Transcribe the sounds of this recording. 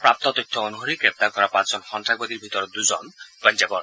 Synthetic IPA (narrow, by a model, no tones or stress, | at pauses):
pɾap̚t̪ɔt̪ɔjt̪ʰːɔonuɦoɾikɾep̚t̪aɾkɔɾapat͡ʃd͡zɔnxɔnt̪ʰaɡ̚bɔd̪iɾbʱit̪ɔɾɔd̪ud͡ʒɔnbɔnd͡ʒabɔɾ